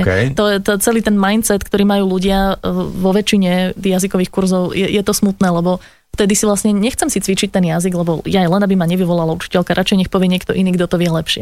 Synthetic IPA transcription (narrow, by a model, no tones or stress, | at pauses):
kɛ̰t̪ɔjɛt̪ɔt͡sɛliːt̪ɛnmajnt̪st͡sɛt̪kt̪ɔɾiːmajuːluɟɪaʋɔʋɛt͡ʃiɲɛt̪ijazikɔʋiːxkuɾzɔʊjɛjɛt̪ɔsmut̪nɛːlɛbɔ | ft̪ɛd̪isivlasɲɛɲɛxt͡sɛmsit͡sʋit͡ʃic̚t̪ɛnjaziɡlɛbɔjajlɛnabimaɲɛʋiʋɔlalaut͡ʃi̥cɛlkaɾʔat͡ʃɛɪɲɛxpɔʋɪɛɲɪɛkt̪ɔʔiniːɡd̪ɔt̪ɔʋɪɛlɛpʃɪɛ